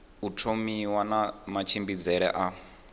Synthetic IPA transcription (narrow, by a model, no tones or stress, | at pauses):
utʰomiwanamat͡ʃʰimbid͡zɛɺɛ̰ʔa